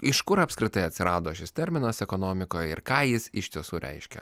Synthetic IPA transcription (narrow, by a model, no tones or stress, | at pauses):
ɪʃkʊɾɐpʲskɾʲɪt̪ɐɪɐt̪ʲsʲɪɾɑːd̪oːʃʲɪst̪ʲɛɾʲmʲɪnɐsɛkonoːmʲɪkoːjɛɪ̰ɾkɑːjɪsɪʃʲt̪ʲiɛsuːɾʲʔɛ̰ɪʃʲkʲɛ̰